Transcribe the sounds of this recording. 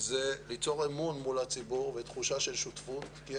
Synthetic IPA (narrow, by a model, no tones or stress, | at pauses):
zelit͡so̞ʁemunmulat͡sibuʁvet̪χuʃaʃe̞lʃut̪fut̪ki